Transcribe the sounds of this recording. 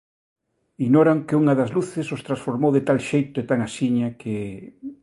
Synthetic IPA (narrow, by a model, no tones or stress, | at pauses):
iɣnoɾaŋkɪuŋɐðɐzluθɪsost̪ɾasfoɾmowðet̪alʃejt̪ʊet̪aŋasiɲɐkʰe